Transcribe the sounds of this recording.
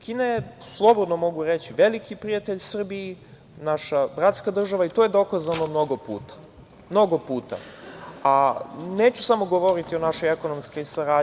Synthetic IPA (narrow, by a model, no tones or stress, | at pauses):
kineslˠo̞bod̪no̞mo̞ɡuɾe̞t͡ɕiʋe̞likʰipɾiat̪eʎsr̩bii | naʃabɾat̪skad̪r̩ʒaʋait̪ojed̪o̞kazano̞mno̞ɡo̞pṵːt̪ḁ | mno̞ɡo̞puːt̪a̰aneːt͡ɕusamo̞ɡo̞ʋo̞ɾit̪io̞naʃo̞jeko̞no̞msko̞jsaɾaː